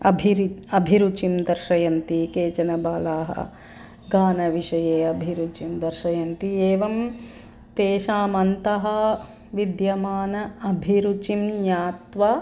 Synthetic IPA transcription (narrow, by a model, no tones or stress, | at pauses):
ɐ̰bʱiɾɐbʱiɾut͡ʃimd̪ɐɾʂɐjɐnt̪ikeːt͡ʃɐnɐbaːlaːɦɐ̰ | ɡaːnɐʋiʂɐjeːɐbʱiɾut͡ʃimd̪ɐɾʃɐjɐnt̪ieːʋɐm | t̪eːʃaːmɐnt̪ɐɦɐ | ʋid̪jɐmaːnɐɐbʱiɾut͡ʃimjaːt̪ʋɐ